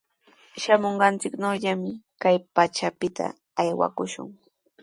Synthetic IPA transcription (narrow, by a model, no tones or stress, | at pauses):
ʃamoɴɢɑnt͡sɪknawʎamɪkajpat͡ʃapɪt̪ʰa̰ | ajwa̰kʊʃʊ̰ŋ